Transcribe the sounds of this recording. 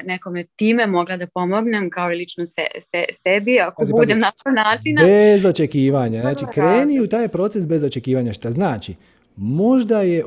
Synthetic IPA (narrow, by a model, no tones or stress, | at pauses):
nekomet̪iːmemo̞ɡlˠad̪apo̞moɡnemkaoilit͡ʃnosḛsesebiakoazibud̪emnat̪anaːt͡ʃinabezo̞t͡ʃekiːʋaɲanaːt͡ʃikɾeːniut̪aːjpɾo̞ːt̪sesbe̞zo̞t͡ʃe̞kiːʋaɲaʃt̪aznaːt͡ʃi | mo̞ʒd̪aje̞